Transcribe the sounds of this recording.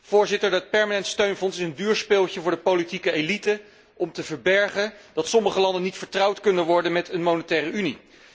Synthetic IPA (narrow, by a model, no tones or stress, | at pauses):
v̥ʊːɹzɪtəɹdət̚pɛɹmanɛntstøɥnvɔnsɪsəndyːɹspɪːlˠtəvʊːɹdəpolitikəelitə | ʔɔmtəvəɹbɛɹχəd̥ɑtsɔməχəlɑndənitfəɹtrɑwtkɵndənʋɔɹdənmɛtənmownətɛːrəyni